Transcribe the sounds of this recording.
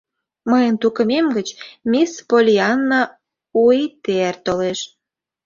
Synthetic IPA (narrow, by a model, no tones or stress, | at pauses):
məjənt̪ukə̆memɡət͡ɕmʲispolʲiɑnːɑ | uit̪eært̪oleʃ